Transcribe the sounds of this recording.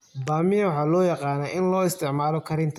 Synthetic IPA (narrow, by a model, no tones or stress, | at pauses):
baːmɪjɐwɑħɑːlɔːjɑqɑːnɐːɪnlɔːɪst̪ʰɪʕmaːlɔkʰɐɾɪnt̪ʰ